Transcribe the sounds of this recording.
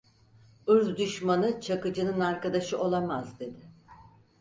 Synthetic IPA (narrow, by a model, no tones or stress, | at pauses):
ɯɾzd̪yʃmanɯt͡ʃʰakɯd͡ʒɯnɯnaɾkad̪aʃɯʔo̞lˠamazd̪e̞d̪ɪ